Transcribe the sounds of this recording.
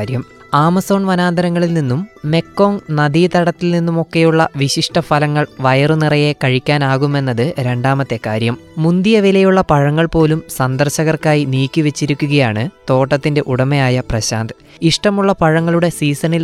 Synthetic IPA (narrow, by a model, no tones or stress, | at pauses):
ɾjɐm | aːmɐso̞ːnʋɐnaːnd̪ɐɾɐŋːɐɭilninːumːe̞kːo̞ːŋnɐd̪iːt̪ɐɽɐt̪ːilninːumo̞kːe̞juɭːɐʋiɕiʂʈɐfɐlɐŋːɐɭʋɐjɐrunirɐje̞kɐɻikʲːaːnaːɣume̞nːɐðɨɾe̞ɳɖaːmɐt̪ːe̞kaːɾjɐmːund̪ijɐʋilɐjuɭːɐpɐɻɐŋːɐɭpo̞ːlumsɐnd̪ɐrɕɐɣɐrkaːjiniːkːiʋet͡ɕːiɾukʲːuɣɐjaːɳɨt̪o̞ːʈːɐt̪ːinde̞ʔuɽɐmejaːjɐprɐɕaːnd̪ɨ | iʂʈɐmuɭːɐpɐɻɐŋːɐɭuɽe̞siːsɐnil